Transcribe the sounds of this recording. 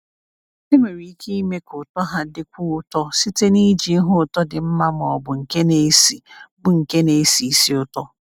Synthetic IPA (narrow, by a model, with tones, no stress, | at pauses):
e˦me˨ɾi˨i˦kʰe˦i˦me˦kʰʊ˨tɔ˦ɦa˦dɪ˦kʷu˦ʊ˦tɔ˦si˦te˦ni˦d͡ʒi˨˦ɦʊ˦˨tɔ˦dɪ˨m̩˦ma˦m˨ɔ˨bʊ˨ŋ̩˨ke˦ne˨˦si˨bʊ˨ŋ̩˨ke˦ne˨˦si˨i˦si˦ʊ˦tɔ˦